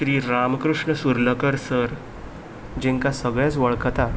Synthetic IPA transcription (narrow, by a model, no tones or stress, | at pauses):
ɾiːɾamkɾuʂɳəsuɾləkəɾsəɾ | d͡ʑẽŋkasəɡɭjat͡sʋəɭkət̪a